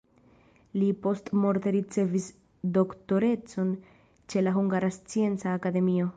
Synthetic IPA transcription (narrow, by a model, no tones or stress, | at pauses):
lipo̞stmo̞ɾteɾit͡se̞vis | do̞kto̞ɾe̞t͡so̞n | t͡ʃe̞laɦuŋɡaɾast͡sie̞nt͡saːkade̞mio̞